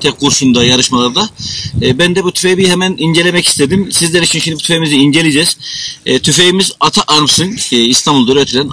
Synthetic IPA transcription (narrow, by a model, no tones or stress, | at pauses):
t̪ʰɛk̚ːuɾsund̪ajaɾɯʃmalˠaɾd̪abænd̪ɛbut̪ʰy̥fejbihɛmæniɲd͡ʒe̞lʲemɛcist̪ʰed̪imsizlʲɛɾit͡ʃʰinʃind̪ibut̪ʰyfeimiziind͡ʒelʲijd͡ʒɛz̥t̪ʰyfejimizat̪ʰaʔaɾmsɯŋkːist̪ʰanbulˠd̪øɾøt̪ʰɾlʲæn